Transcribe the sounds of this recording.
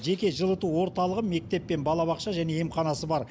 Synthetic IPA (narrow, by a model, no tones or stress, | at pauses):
ʒe̞kʲe̞ʒəlˠət̪uwo̞ɾt̪ɑlˠəʁəme̞k̚t̪e̞pːe̞nbɑlˠɑβɑqʃɑʒæne̞jemqɑnɑsəbɑɾ